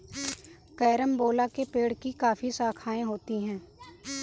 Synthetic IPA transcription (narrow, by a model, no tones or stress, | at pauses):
kɛːɾəmboːlakepeːɽkikaːfisaːkʰaːẽɦoːt̪iɦɛ̃ː